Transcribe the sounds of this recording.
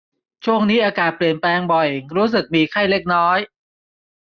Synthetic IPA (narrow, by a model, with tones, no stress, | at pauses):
t͡ɕʰu˥˩əŋniː˦˥ʔaː˧kaː˨˩t̪̚pli˨˩ənplɛː˧ŋbɔ˨˩jɾuː˦˥s̬ɯ˨˩k̚miː˧kʰa˥˩jle˦˥˩k̚nɔː˦˥j